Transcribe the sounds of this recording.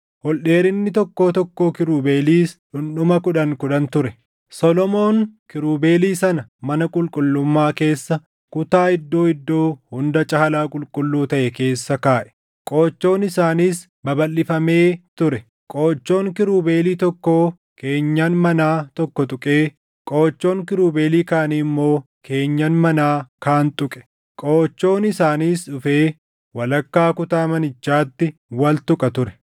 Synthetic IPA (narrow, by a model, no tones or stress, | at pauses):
hɔlɗe̞ːɾɪnːɪt̪ɔkːo̞ːt̪ɔkːo̞ːkɪɾuːbe̞ːliːsᶑʊnɗʊmɐkʊᶑɐŋkʊᶑɐnt̪ʊɾɛ | sɔlɔmo̞ːnkɪɾuːbe̞ːliːsɐnɐmɐnɐkʼʊlkʼʊlːʊmːaːke̞ːsːɐ | kʊt̪aːɪd̪ːo̞ːɪd̪ːo̞ːhʊnd̪ɐt͡ʃʼɐhɐlaːkʼʊlkʼʊlːuːt̪ɐʔɛke̞ːsːɐkaːʔɛ̥ | kʼo̞ːt͡ʃːo̞ːnɪsaːniːs | bɐbɐlːɪfɐme̞ːt̪ʊɾɛ | kʼo̞ːt͡ʃːo̞ːŋkɪɾuːbe̞ːliːt̪ɔkːoː | kʰe̞ːɲːaːnmɐnaːt̪ɔkːɔt̪ʼʊkʼeː | kʼo̞ːt͡ʃːo̞ːŋkɪɾuːbe̞ːliːkaːnɪmːo̞ː | kʰe̞ːɲːɐnmɐnaːkaːnt̪ʼʊkʼɛ̥ | kʼo̞ːt͡ʃːo̞ːnɪsaːniːsᶑʊfeː | wɐlɐkːaːkʊt̪aːmɐnɪt͡ʃːaːt̪ːɪwɐlt̪ʊkʼɐt̪ʊɾɛ̥